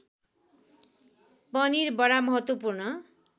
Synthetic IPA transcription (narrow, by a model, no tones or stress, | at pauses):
pʌnirbʌɽamʌɦʌt̪wʌpurnʌ